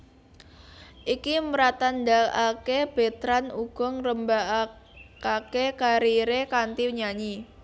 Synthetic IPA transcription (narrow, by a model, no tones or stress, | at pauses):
ʔikiməɾat̪and̪alakeb̥e̤t̪ɾanuɡ̥ɔ̤ŋrəmba | kakekaɾiɾekant̪iwɲaɲi